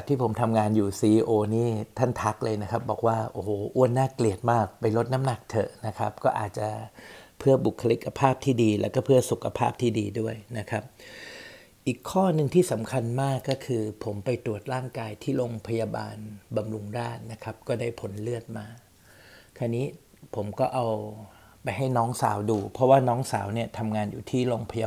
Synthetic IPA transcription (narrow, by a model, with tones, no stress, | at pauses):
t̪ʰːiː˥˩pʰo˩˦mt̪ʰa˧mŋaː˧njuː˨˩siː˧ʔːʔoː˧niː˦˥˩t̪ʰa˥˩nt̪ʰa˦˥k̚lɤː˧jna˦˥kʰa˦˥p̚bɔː˨˩k̚waː˥˩ʔoː˧˩hoː˨˩ʔu˦˥˩ənːaː˥˩kli˨˩ət̪̚maː˥˩k̚pa˧jlo˦˥t̪̚na˦˥mna˨˩k̚t̪ʰɤ˨˩ʔna˦˥kʰa˦˥p̚kɔː˥˩ʔa̰ː˨˩t̪̚t͡ɕa˨˩pʰɯ˥˩ɐbu˨˩kʰːa˧li˦˥kʰːa˧pʰaː˥˩p̚t̪ʰiː˥˩diː˧lɛ̰˦˥wkɔː˥˩pʰɯ˥˩ɐsu˨˩kʰa˧pʰaː˥˩p̚t̪ʰiː˥˩diː˧du˥˩əjna˦˥kʰa˦˥p̚ | ʔiː˨˩kʰːɔː˥˩nɯ˨˧ŋt̪ʰiː˥˩sa˩˦mkʰa˧nmaː˥˩kːɔː˥˩kʰɯː˧pʰo˩˦mpa˧jt̪ɾu˨˩ət̪̚ɾaː˥˩ŋkaː˧jt̪ʰiː˥˩loː˧ŋpʰa˧jaː˧ba̰ː˧nba˧mɾu˧ŋɾaː˥˩nna˦˥kʰa˦˥p̚kɔː˥˩daː˥˩jpʰo˩˦nlɯ˥˩ət̪̚maː˧ | kʰa˧˩niː˦˥ | pʰo˩˦mkɔː˥˩ʔa˧w | pa˧jɦa˥˩jnɔː˦˥ŋsa̰ː˩˦wduː˧pʰɾɔ˦˥waː˥˩nɔː˦˥ŋsaː˩˦wni˥˩ɐt̪ʰa˧mŋaː˧njṵː˨˩t̪ʰiː˥˩loː˧ŋpʰa˧ja˧